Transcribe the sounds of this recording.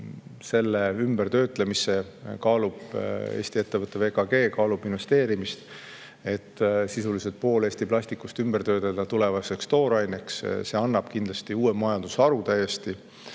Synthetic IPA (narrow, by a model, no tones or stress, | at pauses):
se̞lːe̞ymbert̪ø̞ːt̪ˑlemise̞kɑːlub̥e̞̰ːst̪ie̞t̪ːe̞vɤt̪ːˑe̞ve̞ːkɑɡ̥e̞ːkɑːlub̥invest̪e̞ːɾimist̪ | e̞t̪ːsisuliset̪̚po̞ːle̞ːst̪iplɑɕʲt̪ikˑust̪ymbrt̪ø̞ːt̪ed̪̥ɑt̪ule̞vɑse̞kst̪o̞ːɾɑjnʲeksse̞ɑnːɑb̥kind̪lɑst̪iuːemɑjɑnd̪̥usɑɾut̪æjest̪i